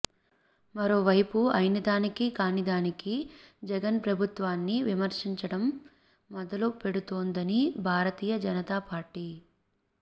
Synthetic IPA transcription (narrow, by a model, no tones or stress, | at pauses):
mɐɾo̞ːʋɐjpuɐjnid̪aːnikikaːnid̪aːnikid͡ʒɛɡɐnpɾɐbʱut̪ʋaːnːiʋimɐɾʂiɲt͡ʃɐɽɐmː | ɔd̪ɐlupe̞ɽut̪o̞ːnd̪ɐnibʱaːɾɐt̪iːjɐd͡ʒɐnɐt̪aːpaːɾʈi